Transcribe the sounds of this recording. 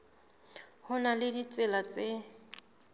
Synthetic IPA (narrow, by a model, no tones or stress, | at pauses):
hʊnalɪdit͡sʼɪlat͡sʼe